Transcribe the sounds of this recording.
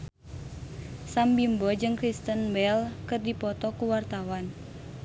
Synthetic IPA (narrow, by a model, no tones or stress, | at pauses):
sambimbɔd͡ʒɨŋkɾist̪ənbɛlkɨrdipɔt̪ɔkuwart̪awan